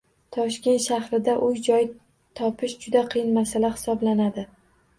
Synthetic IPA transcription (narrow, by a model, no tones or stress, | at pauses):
t̪ʰɒʃkʲe̞nt̪ʃahɾɪd̪aʔʊjd͡ʒɒj | t̪ʰɒpʰɪʃd͡ʒʊd̪aqʰɨjɪnmasalahɪ̥sɒblanad̪ɪ